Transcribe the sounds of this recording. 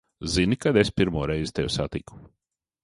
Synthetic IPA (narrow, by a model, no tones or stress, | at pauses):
zinikad̪espiɾmuɔɾɛjzit̪ewsat̪iku̥